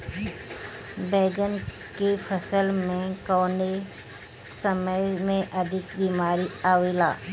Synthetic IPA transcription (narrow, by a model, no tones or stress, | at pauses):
beːɡən | kepʰəsəlmẽkɔːne | səməjmẽʔɐd̪ʱɪkbiːmaːɾiaːwila̰ː